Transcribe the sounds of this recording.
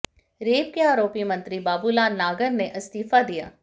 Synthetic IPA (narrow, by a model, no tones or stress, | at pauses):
ɾeːp̚keaːɾoːpimɐ̃nt̪ɾibaːbulaːnnːaːɡəɾneʔɐst̪iːfad̪ija̰ː